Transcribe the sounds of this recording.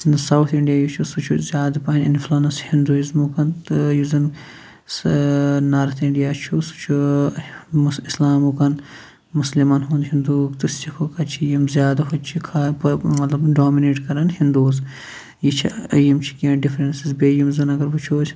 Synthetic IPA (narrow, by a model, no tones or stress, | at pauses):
nsɐwt̪ʰiɳɖijaːjut͡ʃʰusut͡ʃʰuzjaːd̪ɐpɐɐnʲinflaːnɐshind̪uizmukɐnt̪juzɐn | naːɾt̪ʰiɳɖijaːt͡ʃʰusu̥t͡ʃʰu | mislaːmukɐn | muslimɐnɦuːnd̪ɦind̪uːkt̪ustikʰokɐt͡ʃʰijimzʲjaːd̪ɐɦot͡ʃʰikʰapmɐt̪lɐbɖoːmineːʈkɐɾɐnhind̪uːz | jit͡ʃʰijimt͡ʃʰi̥kʲɐ̃ːɳɖifɾensizbeːjimzɐnɐɡɐɾbut͡ʃʰoːt͡ʃʰ